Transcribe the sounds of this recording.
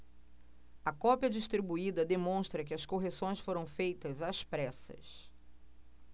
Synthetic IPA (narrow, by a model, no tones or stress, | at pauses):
ɐkɔpiɐd͡ʒiʃt̪ɾibuid̪ɐd̪emõʃt̪ɾɐk̬ɪɐskoɦesõj̃sfoɾɐ̃w̃fejt̪ɐzaspɾɛsɐ̰s